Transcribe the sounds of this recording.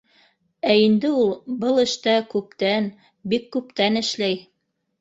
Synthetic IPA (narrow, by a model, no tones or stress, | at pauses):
æind̪ɘulˠbɤlˠɘ̆ʃt̪ækʉp̚t̪æn | bikːʉpt̪ænɘ̆ʃlæj